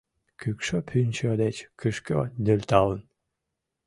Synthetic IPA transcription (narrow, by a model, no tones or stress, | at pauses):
kʰykʃøpʰynʲt͡ɕød̪et͡ɕkʰɨʃkød̪ølʲt̪ɑlˠən